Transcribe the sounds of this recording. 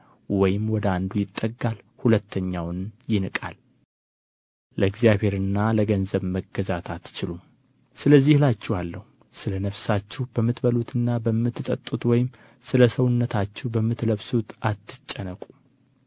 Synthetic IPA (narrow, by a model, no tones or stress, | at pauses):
wɔjɪmwɔd̪əand̪ujɪt̪ʼːəɡːal | hulət̪ʰːəɲːawnjɪnɨkʼa̰l | ləɨɡzijaβhe̞ɾɨnːaləɡənzəβməɡːəzat̪ʰat̪t͡ʃɪlum | sɨləzːihlat͡ʃːɛwalːəhu | sɨlənəfsat͡ʃːɛhbəmːɨt̪bəlut̪ʰɨnːabəmːɨt̪ːɨt̪ʼət̪ʼːut̪wɔjɪm | sɨləsəwʊnːət̪ʰat͡ʃːɛwbəmːɨt̪ləβsut̪ʔat̪ːɨt͡ʃʼːənəkʼu̥